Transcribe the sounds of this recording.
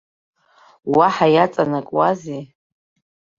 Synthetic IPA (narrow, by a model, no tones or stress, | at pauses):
waħajat͡sʼanakʼwazi